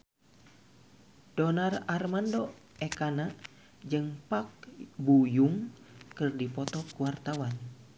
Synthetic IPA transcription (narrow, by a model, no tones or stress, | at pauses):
d̥ɔnararmandɔ | ɛkanaʔ | d͡ʒɨŋpak̚bujuŋ | kɨrdipɔt̪ɔkuwart̪awan